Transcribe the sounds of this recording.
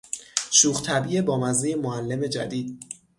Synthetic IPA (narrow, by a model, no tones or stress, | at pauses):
ʃuːχt̪ʰæbiebɒːmæzijemoælːe̞me̞d͡ʒæ̰d̪iːd̪̥̚